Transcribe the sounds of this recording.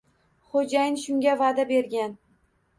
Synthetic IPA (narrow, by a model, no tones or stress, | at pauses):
χod͡ʒajɪnʃʊŋɡʲavad̪abe̞ɾɡʲan